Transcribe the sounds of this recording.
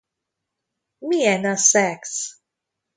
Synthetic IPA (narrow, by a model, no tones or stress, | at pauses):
miɛnasɛks